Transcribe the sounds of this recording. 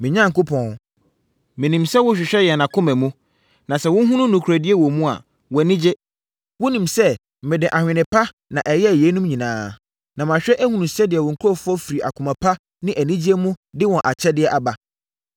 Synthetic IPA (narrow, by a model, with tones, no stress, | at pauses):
mɪ̃˨ɲã˦ŋ̩˨kʊ˦pʰɔ̃˨n˨ | mɪ̃˨nĩ˨msɛ˦wʊ˦ɕᶣɪ˨ɕᶣɛ˦jɛ˨nã˨kʰʊ̃˦mɛ̃˨mũ˦ | nã˨sɛ˨wʊ̃˦ɦũ˦nʊ̃˦nũ˨kʰu˨a˨dɪ˦e˦wɔ˨mũ˦a̰˨ | wɛ˨nɪ̃˦d͡ʑɪ˦ | wʊ˦nĩ˨msɛ˦˨ | mɪ̃˨dɪ̃˨ʔa˨hᶣɪ̃˨nɪ̃˨pʰa˦ | nã˨ʔɛ˨jɛ˦˨je˨˦nũ˦mɲĩ˨nãː˨˦ | nã˨m˨ã˨ɕᶣɛ˦ʔæ˦hũ˨nũ˨sɛ˦dɪ˨ɛ˨wɔ˨ŋ̩˨kʰɔ˦fʊ˦ɔ˦fi˨ɾi˨ʔa̰˨kʰʊ̃˨mã˨pʰa˦ | nɪ̃˦ʔæ˨nĩ˦d͡ʑi˦e˦mũ˦dɪ˦wɔ̃˨ʔa˨t͡ɕʰɛ˦dɪ˨ɛ˨ʔa˨ba˨